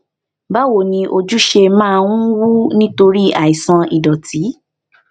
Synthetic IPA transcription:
ba˦wo˦˨nĩ˧ʔo˧d͡ʒu˦ʃe˧mãː˦˧ũ˦wu˦nĩ˦to˧ɾi˦a˨i˨sã˧i˨dɔ˨ti˨˦

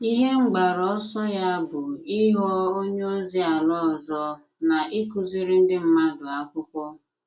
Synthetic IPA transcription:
i˦ɦe˦ŋ͡m̩˦ɡ͡ba˨ɾɔ˨˦sɔ˦ja˦bʊ˨i˦ɦɔ˦o˦ɲe˦o˦zi˦a˨lɔ˦˨zɔ˦ | na˨ʔi˦ku˨zi˦ɾi˦n̩˦dɪ˦m̩˦ma˦dʊ˨a˦kʷʊ˦kʷɔ˦

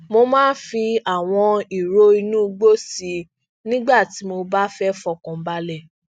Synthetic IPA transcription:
mo˧mãː˦fi˧a˨w̃ɔ̃˧i˨ɾo˧˦i˧nũ˦ɡ͡bo˦si˧ | nĩ˦ɡ͡ba˦˨ti˨˦mo˧ba˦fɛ˦fɔ˧˨kɔ̃˨˦ba˧˦lɛ˦˨

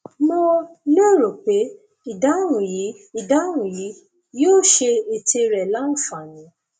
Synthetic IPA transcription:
mo˦lo˦˨ɾo˨k͡pe˨˦ | i˦˨da˨˦ɾ̃ũ˨ji˨˦i˦˨da˨˦ɾ̃ũ˨ji˨˦ | joː˦˨ʃe˧e˨te˧ɾɛ˨la˦nũ˦˨fa˨nĩ˨˦

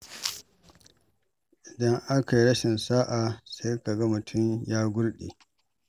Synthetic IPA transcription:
ʔɪ˨dɐ˦ŋʔa˦ka˨ji˦ɾɐ˦ʃɪ˨nsaː˦ʔa˨sa˦jka˨ɡɐ˦mʊ˨tʰʊ˦mjaː˦ɡʷʊ˦ɽɗḛː˨

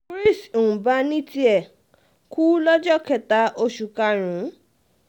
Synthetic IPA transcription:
ɾi˦˨so˨ũ˨ba˦nĩ˦ti˦ɛ˨ | ku˦lɔ˦d͡ʒɔ˦˨kɛ˧˨ta˧˦ʔo˧ʃu˨ka˧ɾ̃ũ˨˦

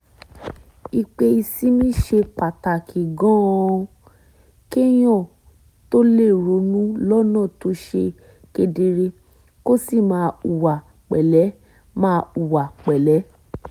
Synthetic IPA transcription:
i˧k͡pe˧i˧si˦mĩ˦ʃe˧k͡pa˨ta˨kʰi˨ɡɔ̃˦˧ | ke˦j̃ɔ̃˦˨ | to˦le˦˨ɾo˨˦nũ˦lɔ˦nã˦˨to˧˦ʃe˧ | ke˧de˧ɾe˧ | ko˦si˦˨mãː˨˦u˨wa˨ | k͡pɛ˨lɛ˨˦ | mãː˦˧u˨wa˨k͡pɛ˨lɛ˨˦

